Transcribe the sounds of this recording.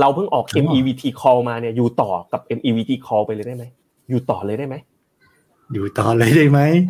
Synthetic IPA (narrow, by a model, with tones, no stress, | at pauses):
ɾa˧wpʰɯ˥˩ŋʔɔː˨˩k̚ʔʔe˧mʔiː˧wiː˧t̪ʰiː˧kʰɔː˧wmaː˧ni˥˩ɐjuː˨˩t̪ɔː˨˩ka˨˩p̚ʔe˧mʔiː˧wiː˧t̪ʰiː˧kʰɔː˧wpa˧jlɤː˧jda˥˩ma˦˥j | juː˨˩t̪ɔː˨˩lɤː˧jdaː˥˩jma˦˥j | juː˨˩t̪ɔː˨˩lɤː˧jdaː˥˩jma˦˥j